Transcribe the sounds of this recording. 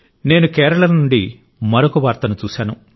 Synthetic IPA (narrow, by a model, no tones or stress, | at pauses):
ne̞ːnukɛːɾɐɭɐnuɳɖi | mɐɾokuʋaːɾt̪ɐnut͡ʃuːsaːnu